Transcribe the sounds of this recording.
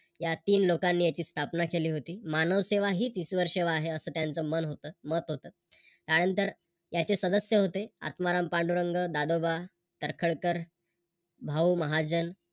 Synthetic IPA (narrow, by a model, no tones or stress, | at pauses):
jat̪iːnlokanːiːjat͡ɕiːst̪ʰapnakeliːɦot̪iːmanəʋseʋaɦiːt͡sisʋəɾʂeʋaːɦeəsəːt̪jant͡səːmənɦot̪əːmət̪ɦot̪əː | k̪añənt̪əɾ | jat͡sesəd̪əsjəɦot̪ea̰t̪maɾampaɳɖuɾəŋɡəd̪ad̪oba | t̪əɾkʰəɭkəɾ | bʱauːməɦad͡ʑən